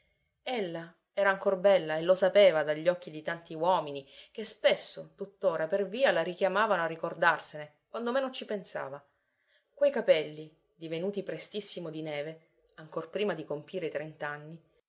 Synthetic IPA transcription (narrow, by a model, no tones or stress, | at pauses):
elːa | ɛːɾaːŋkorbɛlːaelːosapeːvad̪aʎːɔkːid̪it̪ant̪iwɔːminik̟espesːot̪ut̪ːoːɾaperviːalaɾikjamaːvanoarːikord̪arsene | kwand̪omenont͡ʃipensa̰ːva | kwejkapɛlːi | d̪ivenuːt̪ipɾest̪isːimod̪inɛːve | aŋkorpɾiːmad̪ikompiːɾet̪ɾent̪anːi